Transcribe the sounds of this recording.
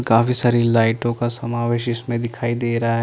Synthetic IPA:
kaːfisaːɾilaːɪʈõkasɐmaːʋeːʃɪsmẽd̪ɪkʰaːid̪eːɾɐɦaɦ

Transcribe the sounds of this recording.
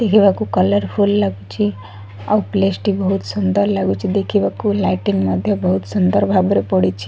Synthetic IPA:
d̪̥ekʰeβakukʌləɾpʰulːaɡut͡ʃʰi | auplesʈibʌɦut̪sʌnd̪əɾlaɡut͡ʃʰid̪ekʰebakulajʈinmʌd̪ʱjebʌɦut̪sʌnd̪əɾbʱabɾepʌɽit͡ʃʰi̥

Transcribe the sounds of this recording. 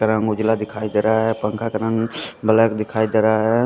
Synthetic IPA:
kəɾaŋʊd͡ʒlad̪ɪkʰaːid̪eɾaɦɛpəŋkʰakəɾaŋbəlajkd̪ɪkʰaːjd̪eɾaɦɛ

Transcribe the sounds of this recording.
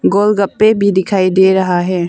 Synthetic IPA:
ɡoːlɡəpːebʱid̪ɪkʰaːid̪eɾəɦaɦɛː

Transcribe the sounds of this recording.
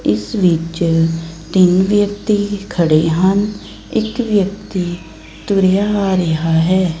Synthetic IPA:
ɪsʋɪt͡ʃ | t̪ɪnʋjək̚t̪iːkʰəɽeːɦən | ɪkʋjəkt̪iː | t̪ʊɾejaːaːɾəɦaːɦɛː

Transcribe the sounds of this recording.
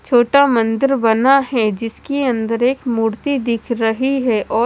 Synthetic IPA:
t͡ʃʰoːʈamɐ̃nd̪ɪɾbɐnaɦɛd͡ʒɪskiɐ̃nd̪əɾeːkmuːɾt̪id̪ɪkʰɾɐɦiɦɛʔɔː

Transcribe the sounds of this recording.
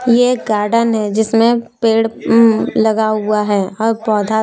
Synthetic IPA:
jekɡaːɾɖənɦɛd͡ʒɪsmẽpeːɽ | lɐɡaɦʊaɦɛːɔːɾpɔːd̪ʱa

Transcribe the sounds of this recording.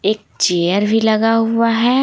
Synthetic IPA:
eːk̚ | t͡ʃejəɾbʱilɐɡaɦuaɦɛː

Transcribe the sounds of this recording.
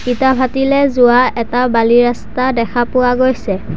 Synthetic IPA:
kitabʱatilɛzʊwaɛtabaliɹastadɛkʰapʊwaɡojsɛ

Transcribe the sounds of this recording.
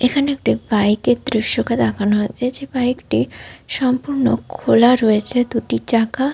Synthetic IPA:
ekʰaneek̚ʈibajked̪ɾiʃoked̪akʰanoɦod͡ʑed͡ʑebajekʈiʃɔmpuɾno̰kʰolaɾɔet͡ɕʰed̪uʈit͡ɕaka

